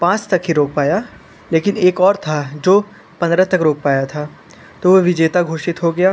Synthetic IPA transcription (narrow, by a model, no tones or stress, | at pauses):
pãːt͡ʃt̪ɐkɦiɾoːk̚paːjaː | leːkɪneːkɔːɾt̪ʰad͡ʒoː | pɐ̃nd̪ɾat̪ɐkɾoːk̚paːjat̪ʰaː | t̪oːʋoʋɪd͡ʒeːt̪aɡʱoːʃɪt̪ɦoɡɐjaː